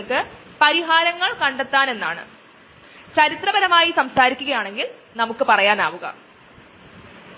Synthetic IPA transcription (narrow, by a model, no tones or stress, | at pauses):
kːɨpɐɾiɦaːɾɐŋːɐɭkɐɳɖet̪ːaːne̞nːa̰ːɳɨ̰ | t͡ɕɐɾit̪rɐbɐnɐmaːjisɐmsaːɾikʲːuɣɐjaːɳe̞ŋɡil | nɐmukːɨpɐrɐjaːna̰ːʋuɣɐ̰